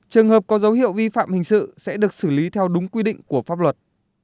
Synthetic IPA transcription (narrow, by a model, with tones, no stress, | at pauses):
t͡ɕɨ˨˩əŋɦəː˨˩p̚kɔ˨˦zə˨˦wɦḭ˧˨əwvi˧fa̰ː˧˨mhï˨˩ŋ̟sɨ̰˧˨sɛ̰˧˥ɗɨ˨˩ək̚sɨ˧˩li˨˦t̪ʰɛ˧wɗʊ˨˦ŋ͡mkwi˧ɗḭ̈˧˨ŋ̟ku˧˩əfaː˦˥p̚lwə˨˩t̚